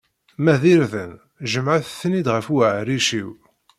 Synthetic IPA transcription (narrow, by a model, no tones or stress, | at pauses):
mæðiɾðən | ʒəmʕaθθənid̪ʁəfəʕɾiʃiw